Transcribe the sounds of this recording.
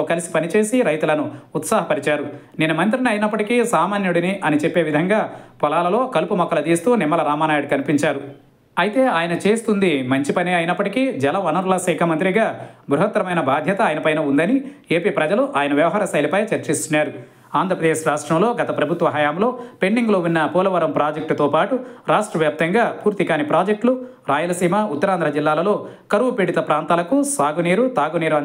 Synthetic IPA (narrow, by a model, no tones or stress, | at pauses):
oːkɐlisi̥pɐnit͡ʃe̞ːsiɾɐjt̪ulɐnuːt̪saːɦɐpɐɾit͡ʃaːɾu | ninumɐnt̪ɾiniɐjinɐpːɐʈikisaːmaːnjuɽiniʔɐnit͡ʃepːe̞ːʋid̪ʱɐŋɡaːpɔlaːlɐlo̞ːkɐlupumɐkːɐlɐt̪iːst̪uːnimːɐlɐɾaːmaːnaːjuɽkɐnipiɲt͡ʃaːɾu | ɐjit̪e̞ːaːjɐnɐt͡ʃe̞ːst̪und̪imɐɲt͡ʃipɐneːɐjinɐpːɐʈikid͡ʒɛlɐʋɐnɐɾlɐsɛːkʰɐmɐnt̪ɾiɡaːbɾuɦɐt̪ːɾɐmɐjnɐbʱaːd̪ʱjɐt̪ɐaːjɐnɐpɐjnɐund̪ɐnieːpiːpɾɐd͡ʒɐluʔaːjɐnɐʋjɐʋɐɦaːɾɐsɐjlipɐjɐt͡ʃɐɾt͡ʃist̪unːaːɾu | aːnd̪ɾɐpɾɐd̪eːʃɾaːʂʈɾɐmlo̞ːɡɐt̪ɐpɾɐbʱut̪ʋɐɦɐjaːmlo̞ːpeɳɖiŋɡlo̞ːunːɐpuːlɐʋɐɾɐmpɾaːd͡ʒɐk̚ʈt̪oːpaːʈuɾaːʂʈɾɐʋjaːp̚t̪ɐŋɡaːpuːɾt̪ikaːnipɾaːd͡ʒɐk̚ʈlu | ɾaːjulɐsiːmɐut̪ːɐɾaːnd̪ɾɐd͡ʒilːaːlɐlo̞ːkɐɾuʋupeɽit̪ɐpɾaːnt̪aːlɐkusaːɡuniːɾut̪aːɡuniːɾuɐ